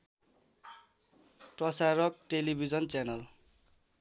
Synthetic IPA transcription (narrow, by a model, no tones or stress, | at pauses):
ʈʌsaɾɔk̚ʈelibʱid͡zʌnt͡sanʌl